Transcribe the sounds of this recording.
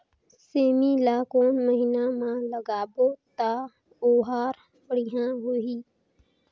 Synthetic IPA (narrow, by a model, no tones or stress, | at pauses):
seːmilaːkoːnməɦɪnamãləɡaːboːt̪aː | oːɦaːɾ | pəɽɪɦãɦʊiː